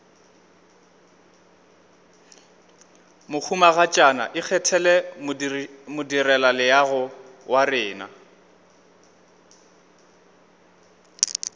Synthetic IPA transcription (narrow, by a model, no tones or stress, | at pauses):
mʊk͡xʰumaɣat͡ʃʼana̰ʔɪk͡xʰɛtʰɛlɛmmʊdirɛlalɪjaɣʊwʔarɪːna̰